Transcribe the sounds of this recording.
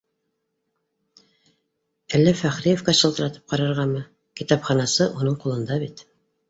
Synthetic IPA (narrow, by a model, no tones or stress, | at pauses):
ælːæfæχɾijefkɑɕɤ̆lˠt̪ɤ̆ɾɑt̪ɤ̥p̚qɑɾɑɾʁɑmɤ | kit̪ɑpχɑnɑsɤʔunɤɴqulˠɤ̆nd̪ɑβit̪